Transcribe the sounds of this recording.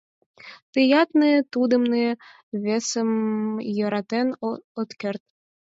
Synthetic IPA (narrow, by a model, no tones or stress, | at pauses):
t̪ɨjɑt̪nɨt̪ud̪ə̆mnɨ | βʲesəmjɤ̆ɾɑt̪enot̪kʲert̪̚